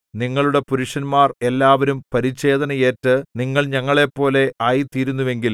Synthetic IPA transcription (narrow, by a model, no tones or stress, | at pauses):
niŋːɐɭuɽe̞puɾuʂɐnmaːre̞lːaːʋɐɾumpɐɾit͡ɕːe̞ːd̪ɐnɐje̞ːtːɨniŋːɐɭɲɐŋːɐɭe̞pːo̞ːle̞aːjit̪iːɾunːuʋe̞ŋɡil